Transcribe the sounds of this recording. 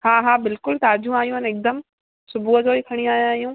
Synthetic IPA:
haːɦaːbɪlkʊlt̪aːd͡ʑʱũaːɦijũɦənɪk̚d̪əm | sʊbʱuəd͡ʑoːikʰɐɽ̃ĩaːj̃aːijũ

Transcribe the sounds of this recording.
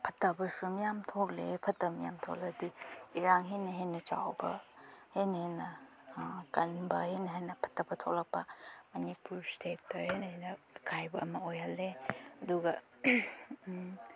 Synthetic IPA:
pʰɐtːɐbɐsumijamtʰok̚lḛpʰɐtːɐmija̰mtʰo̰k̚lɐdiiɾaŋɦenɐɦenɐt͡ʃa̰wbɐ̰henɐhenɐ | kɐnbɐhenɐɦejnɐpʰɐ̥tːɐbɐtʰok̚lɐk̚pɐmɐnipuɾstʰet̚pɐhenɐhenɐ | kʰajbɐʔːmɐojhɐlːeɐduɡɐ

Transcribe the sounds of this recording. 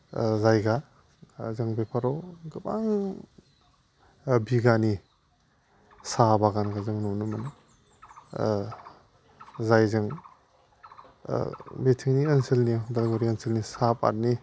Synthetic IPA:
zajɡa | zɯŋbepʰaɾɔɡɯbaŋ | biɡani | sabaɡanɡazɯŋnɔnɯmana | zajzɯŋ | betʰiŋniənsilnidalɡoɾiənsilnisapa̰ɾni

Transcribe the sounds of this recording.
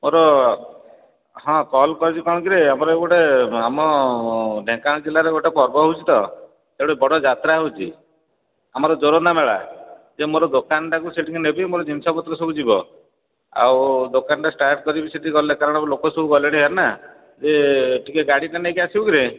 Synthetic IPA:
moɾɔ | ɦɔ̃kɔlkɔɾit͡ʃʰikɔɽ̃ɔkiɾeamɔɾɔeɡuʈeamɔ | ɖʱẽŋkaɽ̃id͡ʒelaɾeɡoʈapɔɾbɔɦowt͡ʃʰit̪ɔ | eɽebɔɽɔd͡ʒat̪ɾaɦewt͡ʃʰḭ | a̰mɔɾɔd͡ʒoɾɔnameɭa̰d͡ʒemoɾɔd̪okanɔʈakuseʈʰikinebimoɾɔd͡ʒinsapɔt̪ɾɔsɔbud͡ʒibɔ | a̰wd̪okanʈasʈajp̚kɔɾibiseʈikiɡɔlekaɾɔɽ̃ɔblokɔsɔbuɡɔleɽ̃iɦaɾna | d͡ʒeʈʰikeɡaɽiʈaneekiasibɔkiɾe

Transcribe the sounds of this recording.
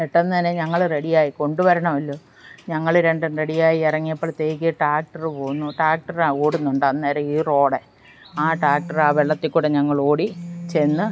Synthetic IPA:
eʈːɐnːineɲɐŋːɐɭre̞ɽijaːjiko̞ɳɖuʋɐɾɐɳɐmɐlːo̞ː | ɲɐŋːɐɭɾe̞ɳɖɨnre̞ɽijaːjiirɐŋːijɐpːoːɭt̪eːjik̬ʲːɐʈaːk̚ʈɐrɨpo̞ːɣunːuʈaːk̚ʈɐraoːɽunːuɳɖɨɐðneːɾɐmiːro̞ːɽe | aːʈaːk̚ʈɐraːʋeɭːɐt̪ːikʲːuːɽeɲɐŋːɐɭo̞ːɽit͡ɕenːɨ

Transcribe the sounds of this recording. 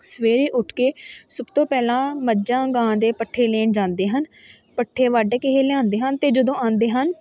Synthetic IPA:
səʋeːɾeːʔʊʈʰkeːsʊbt̪õːpɛːlãːməd͡ʒãːɡãːd̪eːpəʈʰːeːleːnd͡ʒãːnd̪eːɦənpəʈʰːeːʋaːɖeːkɪɦeːlãːnd̪eːɦənt̪eːd͡ʒəd̪õːãːnd̪eːɦən

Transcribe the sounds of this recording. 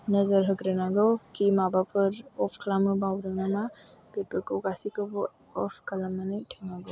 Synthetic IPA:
nɐzɐɾɦɐɡɾanaɡɯwkimabapʰɯɾɔpʰkʰlamɯbawɾɯŋama | pepɯɾkowɡasikɯbɔ | ɔpʰkɐlɐmːanɯjtʰaŋaɡow

